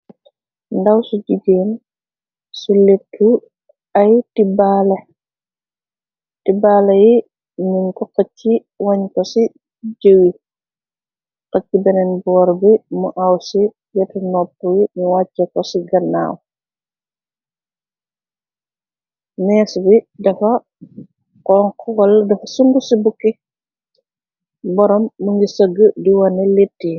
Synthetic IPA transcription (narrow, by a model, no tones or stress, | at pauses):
ndɐwsuɟuɡen | suletːu | ɐjtibalɐ | tibaːlɐji | ninkɔkɔcːi | wɐɲkɔsi | ɟəwi | kɔcːibɛnɛnbɔːɾbimuʔawsi | jɐtɐnɔpːwimuwacːɐkɔsiɡɐnːa̰ːw | nɛːsbidɐfɐ | kɔːŋkɔwɐlːɐdɐfɐsuŋɡusibukːi | bɔɾɔmːuŋɡisəɡədiwɐnɛlitːi